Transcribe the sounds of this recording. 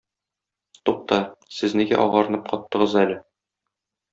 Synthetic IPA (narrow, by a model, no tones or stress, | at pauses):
t̪uq̚t̪ɑsɘzniɡæ̰ʔɒʁɑɾɤ̆nɤp̚qɒt̪ːɤ̆ʁɤzælɘ